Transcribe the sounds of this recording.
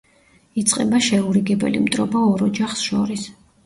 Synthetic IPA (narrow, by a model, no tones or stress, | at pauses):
it̪sʼqʼɛbaʃɛuɾiɡɛbɛ̰lḭmt̪ʼɾɔbaɔɾɔd͡ʒaχsʃɔɾis